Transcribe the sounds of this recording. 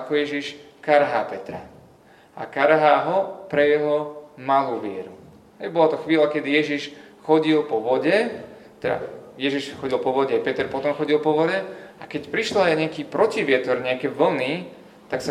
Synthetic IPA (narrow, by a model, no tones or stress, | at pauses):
akɔjɛʒiʃ | kaɾɦa̰ːpɛt̪ɾa̰ | a̰kaɾɦaːɦɔpɾɛjɛɦɔmaluːʋɪɛɾu | ɦɛjbɔlat̪ɔxʋiːlakɛd̪ijɛʒiʃxɔɟilpɔʋɔɟɛ | t̪ɛda̰jɛʒiʃxɔɟilˠpɔʋɔɟɛpɛt̪ɛɾpɔt̪ɔmxɔɟilˠpɔʋɔɟɛakɛcpɾiʃlɔajɲɛakiːpɾɔciʋɪɛt̪ɔɾɲɛakɛʋl̩niː | t̪aksa